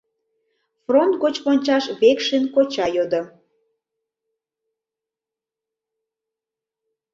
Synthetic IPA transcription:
front̪̚ɡot͡ɕponʲt͡ɕɑʃβekʃenkot͡ɕɑjod̪o

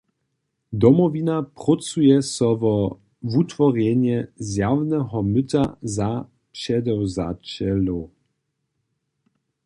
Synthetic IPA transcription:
d̪ɔmɔvinapʁɔt͡sujɛsɔvɔ | vut̪vɔʁjɛɲjɛzjawnɛɦɔmɪtaza | pɕɛd̪ɛwza̰t͡ɕɛlo

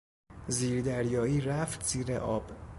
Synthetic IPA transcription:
ziːɾd̪æɾjɒːiːɾæft̪z̥iːɾḛʔɒːb̥

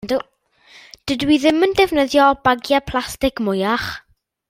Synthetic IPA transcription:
du | d̥ɪdwiðɪməndɛvnəðjɔb̥aɡjapʰlˠastɪkmʊjaχ

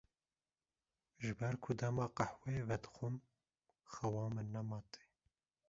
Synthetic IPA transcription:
ʒɨbɛɾkʰʊd̪ɐmɑːqaħwevɛd̪xum | xɐwɑːmɨnːɐmɑːt̪e̥

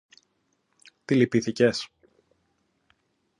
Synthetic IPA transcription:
t̪ilipiθices

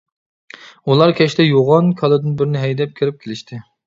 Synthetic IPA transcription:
ulˠɑɾkʲʰɛʃt̪ʰɛjoʁɑnkʰɑlˠɨd̪ɪnbɪɾɪnɪɦɛjd̪ɛp̚kʲʰiɾɪp̚kʲʰelɪʃt̪ʰɪ

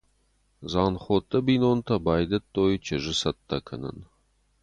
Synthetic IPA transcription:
zɑːnχoːt̪ʰʼːɐbiːnoːnt̪ʰɐbɑːjd̪ɐt̪ːoːjt͡ʃʰɐʒɪsɐt̪ʰːɐkʰɐnɐ̰n

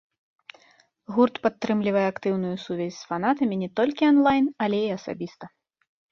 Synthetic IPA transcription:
ɣurt̪pat̪ːɾɨmlʲivɐjɛakt̪ɨwnujusuvʲɛzʲsfanat̪ɐmʲinʲɛt̪ɔlʲkʲianlˠajnɐlʲɛiɐsa̰bʲist̪ɐ

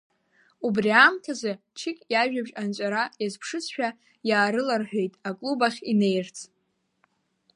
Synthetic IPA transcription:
ubriamtʰazɨ | t͡ʃʰɪkʲʼjaʒᶣabʒant͡ʃʷʼaɾajazpʰʂɨsʰʃᶣa | jaːɾɨlarħᶣe̞jtʼakʼlubaχʲine̞jrt͡sʰʼ

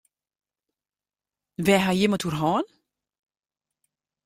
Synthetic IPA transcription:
ʋɛːɦajɪmətʰurɦɔːn

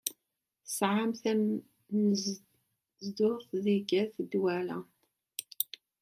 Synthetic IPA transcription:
θəsʕamθæ | m | zd̪ʊθðiɡæθd̪wælæ̰

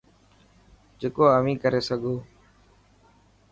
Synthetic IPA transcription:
d͡ʒeːkoːəʋĩːkəɾeːsəɡʱoː

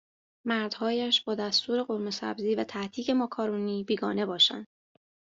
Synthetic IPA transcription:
mæɾd̪̥hɒːjæʃbɒːd̪æst̪uːɾe̞ɢoɾme̞sæ̰bziːvæt̪ʰæht̪ʰiːce̞mɒːkʰɒːɾuːniːbiːɡɒːne̞bɒːʃæ̰nd̪̥

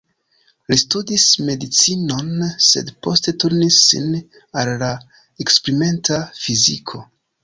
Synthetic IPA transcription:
listudisme̞dit͡sino̞nse̞̰dpo̞ste̞tuɾnisːḭn | alːa | ekspɾime̞ntafizikʰo̞

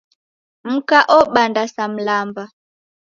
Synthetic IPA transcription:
m̩kaʔɔɓandasam̩lamba

